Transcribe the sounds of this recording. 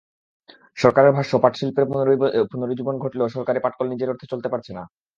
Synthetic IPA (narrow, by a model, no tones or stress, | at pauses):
ʃɔɾkaɾeɾbʱaʃopaʈʃilpeɾpupunoɾid͡ʑubonɡʱoʈiloʃɔɾkaɾepaʈ̚kɔlnid͡ʑeɾoɾt̪ʰet͡ɕolt̪epaɾt͡ɕʰena